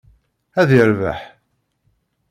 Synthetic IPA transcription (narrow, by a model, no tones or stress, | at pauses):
æðjəɾvæ̰ħ